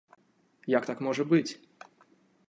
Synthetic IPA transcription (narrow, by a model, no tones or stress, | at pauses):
jakt̪akmɔʐɐbɨt͡sʲ